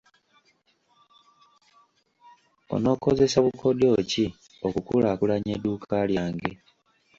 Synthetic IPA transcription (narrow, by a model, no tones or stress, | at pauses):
o̞̰no̞ko̞ze̞saβukʰo̞do̞ci | okukulakulaɲedukʰaljaːŋɡe̞